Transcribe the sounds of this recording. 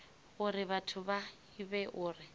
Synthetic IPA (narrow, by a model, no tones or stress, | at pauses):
ʊɾɪβatʰʊba | ibɛʔʊːrɪ